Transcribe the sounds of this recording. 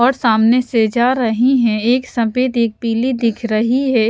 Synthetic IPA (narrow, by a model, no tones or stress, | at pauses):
ɔːɾsaːmnesed͡ʒaːɾɐɦiɦɛ̃eːksɐ̃peːt̪eːk̚piːlid̪ɪkʰɾɐɦiɦɛ